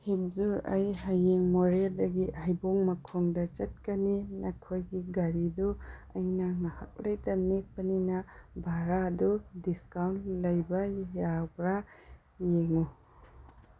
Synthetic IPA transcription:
hip̚zuɾa̰jhajeŋmoɾeldɐɡiʔajboŋmɐkʰoŋdɐt͡ʃɐt̚kɐninɐkʰojɡiɡaɾiduɐjnɐŋahak̚lɐjtɐnek̚pɐninɐbʱaɾadudiskawntlɐjbɐjabɾa | jeŋu

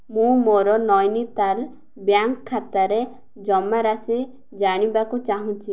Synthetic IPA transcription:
mũmoɾɔnɔjnit̪al | bjaŋkʰːat̪aɾe | d͡ʒɔmaɾasi | d͡ʒaɽ̃ibakut͡ʃaɦũt͡ʃʰi

